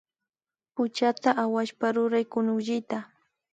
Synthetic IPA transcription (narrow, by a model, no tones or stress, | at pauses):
pʊt͡ʃat̪aʔawaʃpaɾʊɾajkʊnʊʒɪt̪a